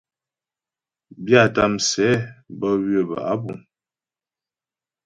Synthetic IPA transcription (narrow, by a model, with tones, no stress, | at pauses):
bja˦˨ta˦˨msɛ˨˦bə˦wɥə˨ba̰˨a̰˦bṵ˨m